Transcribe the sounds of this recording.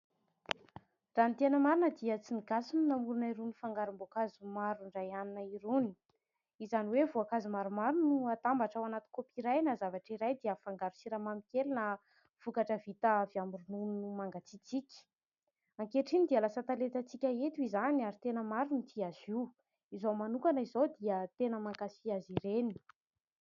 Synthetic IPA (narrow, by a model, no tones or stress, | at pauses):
ranit̪enəmaɾunəd̪iət͡siniɡasununamuɾunaiɾunifaŋɡaɾumbokazumaɾuɳɖ͡ʐajaninaiɾuni̥ | izaniwevuakazumaɾumaɾunuat̪ambaʈ͡ʂawanat̪i̥kopiɾajnazavaʈ͡ʂiɾajd̪iəfaŋɡaɾu̥siɾamamikʲelinə | v̥ukaʈ͡ʂəvit̪avjambiɾununnumaŋɡat͡sit͡sikʲi̥ | aŋkeʈ͡ʂinid̪ialasət̪alet̪ət͡sikʲaet̪uizaniaɾit̪enəmaɾunit̪ʰiaz̥iw | izomanuŋkanəizod̪iət̪enəmaŋkasiaziɾeni̥